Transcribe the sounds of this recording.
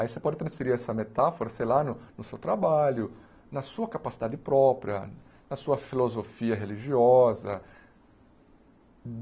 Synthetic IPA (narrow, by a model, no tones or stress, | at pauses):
aisepɔd͡ʒɪt̪ɾɐ̃sfeɾiɾɛsɐmet̪afoɾɐsejlanʊnʊsewt̪ɾabaʎʊ | nɐsuɐkapasid̪ad͡ʒɪpɾɔpɾiɐ̰ | nɐsuɐfilozofiɐɦeliʒiɔzɐ̰